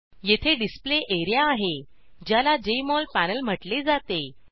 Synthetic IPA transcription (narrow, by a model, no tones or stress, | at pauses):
jet̪ʰeɖispleʔeɾjaːɦe | d͡ʑjalad͡ʑeimɔlpænəlm̤əʈled͡zat̪e